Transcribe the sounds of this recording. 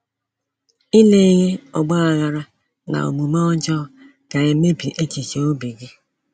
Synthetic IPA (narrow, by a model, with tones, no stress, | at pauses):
i˦le˦i˦ɣe˦ɔ˨ɡ͡ba˦a˨ɣa˨ɾa˦ | na̰˨o̰˨mu˨ma˦ɔ˦d͡ʒɔ˦ | ɡ̥a˨e˨me˦pi˨ʔe˦ki˨ke˨o˦bi˨ɡɪ˦